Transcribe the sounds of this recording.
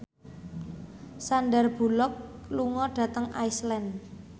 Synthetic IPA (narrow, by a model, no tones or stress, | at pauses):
sanɖərb̥ṳlɔk̚ | luŋɔɖ̥ä̤t̪əŋʔa̰islɛn